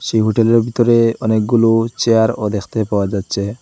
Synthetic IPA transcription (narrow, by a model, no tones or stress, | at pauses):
ʃeɦoʈeleɾbʱit̪oɾeɔnek̚ɡulut͡ɕeaɾod̪ekʰt̪epaoad͡ʑat̪ːɕʰe